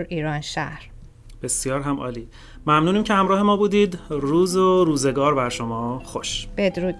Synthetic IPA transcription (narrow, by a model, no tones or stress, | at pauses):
ɾiːɾɒːnʃæ̰hɾ | b̥e̞sjɒːɾɦæmʔɒ̰ːliː | mæmnuːniːmcʰehæmɾɒːhe̞mɒːbuːd̪iːd̪ɾuːzoɾuːze̞ɡɒːɾbæɾʃomɒːxoʃb̥ed̪ɾuː